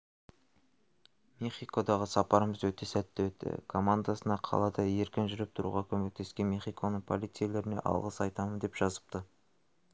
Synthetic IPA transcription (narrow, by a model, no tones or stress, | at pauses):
meχijko̞d̪ɑʁəsɑpɑɾəməzwɵt̪e̞sæt̪ːewɵt̪ːɪ̰kʰo̞mand̪asənɑqʰɑ̰lˠɑd̪ɑje̞ɾkʲɪnʒʏɾɪp̚t̪ʰʊɾṵʁɑkʲʰɵme̞k̚t̪ʰe̞skʲe̞nmeχijkʰo̞nəɴpʰo̞lˠit̪sɨjele̞ɾɪne̞̰ʔɑ̰lˠʁəsɑjt̪ɑmənd̪e̞pʒ̥ɑzə̥p̚t̪ə